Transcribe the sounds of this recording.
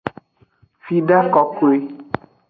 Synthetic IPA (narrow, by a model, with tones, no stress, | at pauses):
fi˦ɖa˦kɔ˨ko˦˨e˦